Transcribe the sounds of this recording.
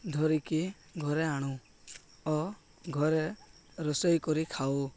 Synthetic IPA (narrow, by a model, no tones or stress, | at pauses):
d̪ʱɔɾiki | ɡʱɔɾeaɽ̃u | ɔ | ɡʱɔɾe | ɾɔsɔjkɔɾikʰao